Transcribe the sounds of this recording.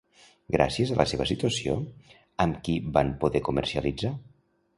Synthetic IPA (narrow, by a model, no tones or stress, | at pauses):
ɡɾʔa̰siəzəlʔəseβ̞əsit̪uəsio̰ | əmkibanpuðɛkumə̰ɾsiəlid͡za